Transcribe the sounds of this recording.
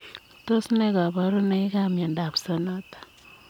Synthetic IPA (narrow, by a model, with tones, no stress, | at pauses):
to˦sne˦ka˨βa˨ɾo˦na˦i˦kamja˨nda˨βsa˦na˦tḁ˨